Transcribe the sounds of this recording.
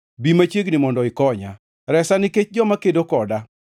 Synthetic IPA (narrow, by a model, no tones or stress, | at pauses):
bimat͡ʃjeɡnɪmɔndɔɪkɔɲa | ɾɛsanɪket͡ʃd͡ʒɔmakedokɔda